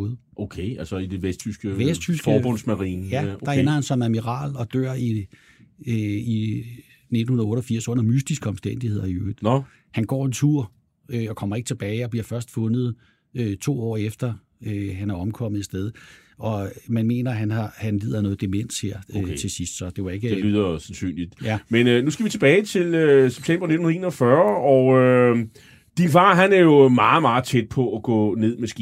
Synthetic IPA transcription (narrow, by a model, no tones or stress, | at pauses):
ð̩ˠʔokʰeælsəid̥e̝ʋest͡sʰysɡ̥əʋest͡sʰysɡɒːbɔnsmæʁiːnəjæd̥ɑ̈enɐhænsɒ̽mæmiʁɑ̰̈ːlɒ̽d̥øɐ̰i | i | ne̝d̥n̩hunðˠɔ̽ːɾˠɒfiɐ̰sɔ̽n̰ɐmysd̥isɡ̥əɒ̽msd̥en̰d̥ihe̝ð̰ˠɐiøːd̥ | hænɡ̥ɒ̰ːe̝nt͡sʰuɐ̰ | øɒ̽kʰɒ̽m̰ɐe̝ɡ̥t͡sʰe̝b̥ɛːɪɒ̽bliɐ̰fɶɐsd̥fɔ̽nð̩ˠ | øt͡sʰo̝̰ːɒ̰ːefd̥ɐ | øɦænæɐɒ̽mkʰɒ̽m̰ð̩ˠe̥sd̥eð̞ˠ | ɒ̽mænme̝̰ːnɐɦænhɑ̈hænlḭːðˠɐnɔ̽ð̩ˠd̥emen̰sheɐ̰øt͡sʰe̝sisd̥sɒ̽d̥e̝ʋɑe̝ɡ̥əlyːɐsænsy̰ːnlid̥jæmennusɡ̥əʋit͡sʰe̝b̥ɛːɪt͡sʰe̝løseb̥̚t͡sʰem̰b̥ɐne̝dn̩n̩ˠeːnɒfɶɐɒʊø | d̥infɑ̈ːɦænæɐjo̝mɑ̈ːð̩ˠmɑ̈ːð̩ˠt͡sʰed̥̚pʰɒ̽æɡ̥ɔ̰̽ːne̝ð̞̰ˠmesɡ̥i